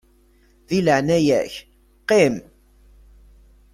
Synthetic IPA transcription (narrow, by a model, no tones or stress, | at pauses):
ðiləʕnæjæç | qem